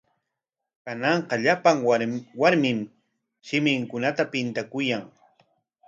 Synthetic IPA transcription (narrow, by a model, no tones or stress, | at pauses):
kanɑɴqɑʎapaŋwaɾmɪm | ʃɪmɪŋkʊnat̪apɪnt̪akʊjaŋ